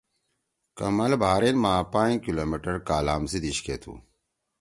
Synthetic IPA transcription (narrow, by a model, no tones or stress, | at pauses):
kɐmɐlbʱaːɾenmãːpãːkiloːmiʈɐɾkaːlaːmsid̪iɕkeːt̪ʰṵː